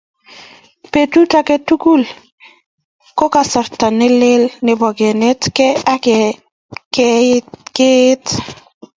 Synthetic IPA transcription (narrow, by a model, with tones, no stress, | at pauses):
pe˨tu˦ta˨ke˦tu˦ku˦l | ko˦ka˨sɔ˨ɾta˨nɪ˦lɪ˦lnɪ˨bɔ˨ɡɛ˨nɪ˦tkɛ˦a˦kɛ˨ | k | ke˦t